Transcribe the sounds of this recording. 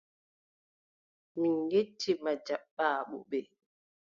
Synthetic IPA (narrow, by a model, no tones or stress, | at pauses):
minɡet͡ʃːimad͡ʒaɓːaːɓɔ̰ɓɛ